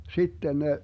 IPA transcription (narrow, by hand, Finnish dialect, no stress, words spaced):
sitːen ne